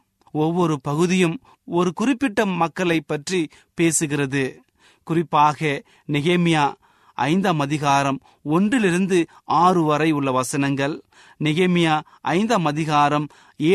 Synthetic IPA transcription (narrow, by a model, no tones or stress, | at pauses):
ɔʋːɔɾɯpɐɣɯðɪjɯm | ɔɾɯkʊrɪpːɪʈːɐmːɐkːɐɭɐɪpːɐʈri | peːsɯɣɪrɐðɯ | kʊrɪpːaːɣɐ | nɪɣeːmɪjaː | ɐ̰ɪnd̪ɐmɐðɪɣaːɾɐm | ɔndrɪlɪɾɯnd̪ɯ | aːrɯʋɐɾɐɪʊɭːɐʋɐsɐnɐŋɡɐɭ | nɪɣeːmɪjaː | ʔɐ̰ɪnd̪ɐmɐðɪɣaːɾɐm | eː